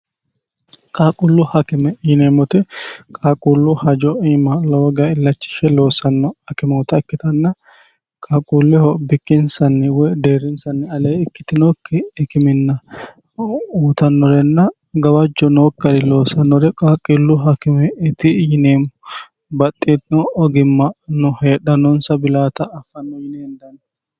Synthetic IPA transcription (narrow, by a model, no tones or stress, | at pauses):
kʼaːkʼʊlːʊhɐkɪmɛɪjɪneːmːɔt̪ɪkʼaːkʼulːʊhɐd͡ʒɔiːmɐlɐwɔɡɐɪlːɐt͡ʃːɪ̥ʃɛlo̞ːsɐnːɔɐkɪmɛwɔt̪ɐɪkːɪt̪ɐnːɐ | kʼaːkʼuːlːɛɔbɪkːɪnsɐnːɪwɔjd̪eːɾɪnsɐnːɪɐleːɪkːɪ̥t̪ɪnoːkːɪɪkɪmɪnːɐ | uːt̪ɐnːɔɾɛnːɐ | ɡɐwɐd͡ʒːɔnoːkːɐɾɪlo̞ːsɐnːɔɾɛkʼaːkʼːɪlːʊɦɐkɪmɛɪt̪ɪjɪneːmʊ | bɐt̪ʼːeːt̪nɔɔɡɪmːɐnʊhe̞ːɗɐnɔnsɐbɪlaːt̪ɐɐfːɐnːɐjɪneːnd̪ɐnɐ